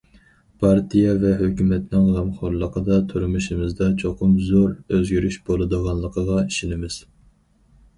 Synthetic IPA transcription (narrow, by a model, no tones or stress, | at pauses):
pʰɑɾt̪ʰijɑvɛɦøkʲymɛt̪nɪŋlˠɑmχoɾlˠəqʰəd̪ɑt̪ʰyɾmuʃimɪzd̪ɑt͡ʃʰoqʰʊmzoɾøzɡʲyɾyʃbolˠɨd̪əʁɑnlˠəqʰəʁɑiʃinɪmɪz̥